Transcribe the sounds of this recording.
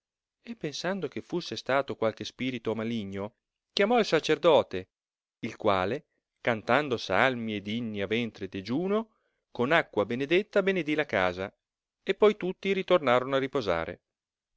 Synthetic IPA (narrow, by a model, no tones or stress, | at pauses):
epːensand̪okefːusːest̪aːt̪okwalkespiːɾit̪omaliɲːo | k̟jamɔilsat͡ʃerd̪ɔːt̪e | ilkwa̰ːle | kant̪and̪osalmied̪inːiavɛnt̪ɾed̪ed͡ʒuːno | konakːwabened̪et̪ːabened̪ilakaːza | epːɔjt̪ut̪ːiɾit̪ornaːɾonoarːipoza̰ːɾḛ